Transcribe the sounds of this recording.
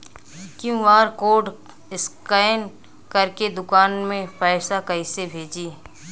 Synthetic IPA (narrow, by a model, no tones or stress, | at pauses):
kjũʋaːɾkoːɾɖ | ɪskən | kɐɾked̪ʊkaːnmẽpɛːɪsakɐisebʱeːd͡ʒiː